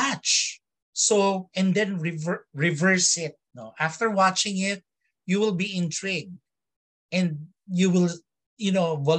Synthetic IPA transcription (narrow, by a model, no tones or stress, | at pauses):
at͡ʃ | soɛ̃nd̪ɛ̃nɹɪvɹɪvɜɹsɪt̪̚noʔaft̪əɹwɑt͡ʃɪ̃ŋɪt̪̚ | juwɪlˠbiɪ̃nt̪ɹɪɡ̚ | ʔɛ̃nd̪̚ | juwɪl | jɨnovɔ